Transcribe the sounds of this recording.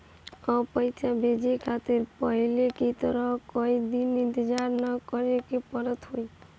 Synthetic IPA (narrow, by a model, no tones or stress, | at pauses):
ɔpəjt͡ʃʰabʱed͡ʒekʰat̪eɾpəɦilekit̪əɾəkoid̪inint̪ed͡ʒaɾnəkəɾekepəɾət̪ɦoi